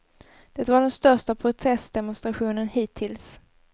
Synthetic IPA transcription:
d̪̥ɛt̪vaɖɛnst̪œʂʈapʰɾʊt̪ʰɛsd̪ɛmʊnst̪ɾaɧuːnənhiːt̪ʰːɪls

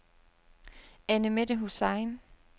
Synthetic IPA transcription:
ænəmedəɦusɑ̈ɪn

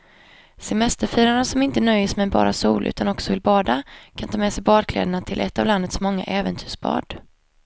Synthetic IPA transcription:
sɛmɛst̪əɾfiːɾaɳasɔmɪnt̪ənœjːəsmɛjbɑ̰ːɾʔasuːlʔʉ̟̰ːt̪ʰanɔksɔvɪlbɑːd̪akʰant̪ʰɑːmɛsɛjbɑːɖkʰlɛ̰ːd̪əɳat̪ʰɪlʔɛt̪ːavland̪ət̪smɔŋːa̰ʔɛːvənt̪ʰyːʂbɑ̰ːɖ̥

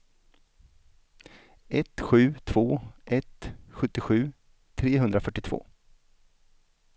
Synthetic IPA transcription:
ʔɛt̪ɧʉ̟ːt̪ʰv̥oːʔɛt̪ɧɵt̪ːɪɧʉ̟ː | t̪ʰɾeːɦɵnd̪ɾafœʈːɪt̪ʰv̥o̰ː

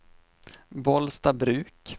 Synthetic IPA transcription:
bɔlst̪abɾʉ̟ːk

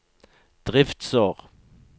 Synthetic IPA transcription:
d̪̥ʁɪft̪sɔʁ

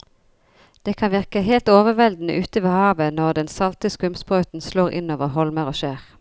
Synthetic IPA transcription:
d̪̥eːkʰɑnʋɪʁkəɦeːlt̪oːʋəʋɛld̪n̩ə̰ʔʉːt̪əʋeːhɑːʋənɔʁd̪ɛnsɑlt̪əskʉmspʁœʉt̪n̩sloːʁɪ̰noːʋəʁɦɔlməʁoːʃeːʁ

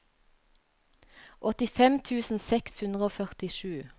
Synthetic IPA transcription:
ʔɔt̪ɪfɛmt̪ʰʉːsn̩sɛkshʉnd̪ʁəoːfœʁt̪ɪʃʉː

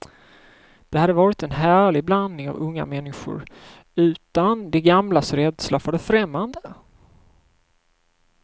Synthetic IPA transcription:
d̪̥ɛhad̪ːəvɑːɾɪt̪ɛnɦæːɭɪɡ̚bland̪nɪŋa̰vɵŋːa̰mɛnːɪɧʊ̰ɾ | ʉ̟ːt̪and̪ɛɡamlasɾɛd̪slafœɖɛfɾɛmːand̪ə

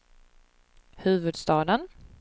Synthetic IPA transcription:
hʉ̟ːvɵd̪st̪ɑːd̪ən

